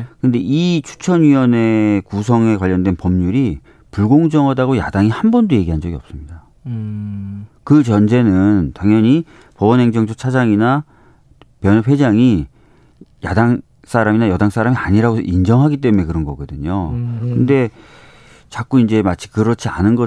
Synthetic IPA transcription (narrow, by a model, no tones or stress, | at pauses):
kɯnde̞ʔit͡ɕʰu̥t͡ɕʰʌnɥiwʌne̞kus̬ʰʌŋekwaʎːʌndwe̞npʌmɲuɾi | puɭɡoŋd͡ʑʌŋɦadaɡoja̰daŋihanbʌndoje̞ɡiɦand͡ʑʌɡiʌp̚s͈ɯmɲida | kɯt͡ɕʌnd͡ʑe̞nɯntaŋɲʌɲi | pʌbʌnɦe̞ŋd͡ʑʌŋd͡ʑʰot͡ɕʰad͡ʑaŋina | pjʌnʌpɸwe̞d͡ʑaŋi | ja̰daŋ | s͈aɾaminajʌdaŋs͈aɾamiaɲiɾaɡoind͡ʑʌŋɦaɡit͈e̞mune̞kɯɾʌnɡʌɡʌdɯɲokɯnde̞ | t͡ɕak͈uind͡ʑe̞mat͡ɕʰi̥kɯɾʌt͡ɕʰia̰nɯnɡʌ